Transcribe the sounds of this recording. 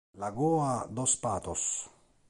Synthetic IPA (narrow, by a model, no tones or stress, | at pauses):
laɡɔːad̪ɔspaːt̪ɔs